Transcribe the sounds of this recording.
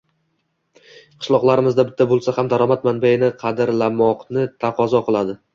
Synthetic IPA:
qʰɨ̥ʃlˠɒqlˠaɾɪmɪzd̪abɪt̪ʰːabolˠsahamd̪aɾɒmat̪manbajɪnɪqʰɑd̪ɪɾlamɒqnɪt̪ʰaqʰɒzɒqʰɨlˠad̪ɪ

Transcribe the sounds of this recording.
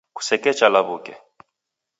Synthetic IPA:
ku̥sɛkɛt͡ʃʼalaβuːkʼɛ̰

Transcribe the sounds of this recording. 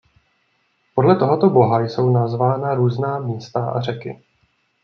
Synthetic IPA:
po̞dlɛt̪o̞ɦot̪obo̞ɦajso̞wnazvaːnaɾuːznaːmɲɛst̪aʔa̰r̝ɛkɪ̰

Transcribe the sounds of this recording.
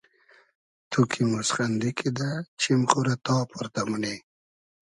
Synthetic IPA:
t̪ʰukʰimusχand̪ikid̪at͡ʃʰimχuɾat̪ɑːpʰʊɾt̪amune

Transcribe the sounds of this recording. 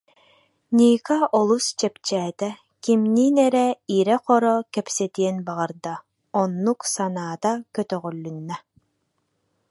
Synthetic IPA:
nʲiːkaʔɔlˠust͡ʃɛpt͡ɕɛːt̪ɛ | kimniːnɛɾɛiɾɛqɔɾɔkɛpsɛt̪iɛnbaʁɯɾd̪a | ɔnːuksanaːt̪akœt̪œʁœlːynːɛ

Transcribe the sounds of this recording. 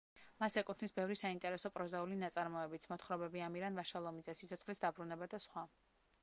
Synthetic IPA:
masɛkʼut̪ʰnisbɛvɾisaint̪ʼɛɾɛsɔpʼɾɔzaulinat̪sʼaɾmɔɛbit̪sʰmɔt̪ʰχɾɔbɛbiamiɾanvaʃalˠɔmid̪zɛsit̪sʰɔt̪sʰχlisd̪abɾunɛbad̪asχwa

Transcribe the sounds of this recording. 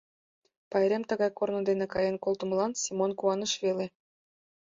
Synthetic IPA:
pɑjɾʲemt̪ɤ̆ɣɑjkornɤ̆d̪enĕkɑjɤnkolˠt̪ɤ̆mə̆lˠɑnsʲimonkuɑnə̆ʃβele

